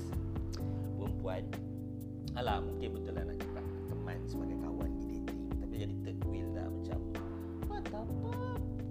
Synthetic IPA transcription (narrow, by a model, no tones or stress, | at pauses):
bəmpuat̪̚ | alahmuŋkɪnbət̪ʊlanaʔkit̪aʔ̚t̪əma̰nsəbaɡajkawa̰ndidet̪iŋt̪apid͡ʒadit̪əkwilda̰hmat͡ʃa̰m | pat̪apa